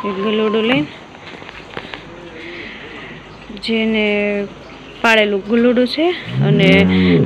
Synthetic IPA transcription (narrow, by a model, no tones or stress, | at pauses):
ekɡʱəluɽulejn | d͡ʒene | paɭelũɡʱəluɽut͡ʃʰeəne